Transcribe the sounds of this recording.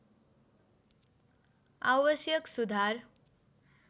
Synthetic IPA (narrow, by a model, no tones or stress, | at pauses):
aʋəsjəksud̪ʱaɾ